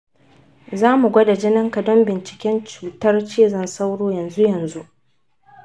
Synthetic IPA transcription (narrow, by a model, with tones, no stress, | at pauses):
zaː˦mu˨ɡʷɐ˦da˨d͡ʒɪ˦nɐ˦ŋkɐ˨dɔ˦mbɪ˨nt͡ʃɪ̥˨kʲɛ˦nt͡ʃuː˨tɐ˦rt͡ʃeː˦˨zɐ˦nsa˦wɽoː˦jɐ˨nzu˦jɐ˨nzu˦ʔ